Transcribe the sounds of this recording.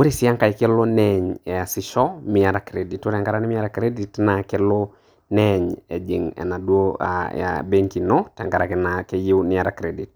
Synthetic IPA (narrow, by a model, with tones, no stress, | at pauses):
wo˦ɾi˦sɪ˦a˦ŋka˨ɪkɪ˦lo˦nɛɲɛ˨a˨sɪ˦ʃɔ˦mɪa˨ɾakɾedi˨to˦tɛ˨ŋɡa˦ɾa˨nɪ˦mɪ˦a˦ɾakɾe˦di˨tna˨ke˦lɔ˦ | nɛ˦ɲɛ̰˨d͡ʒi˨ŋɛ̰˨na˨dwoa̰a̰be˦ŋki˨nɔ˦tɛ˨ŋɡa˨ɾa˨kna˨ke˦ji˦wnɪ˦a˨ɾa˨kɾedi˨t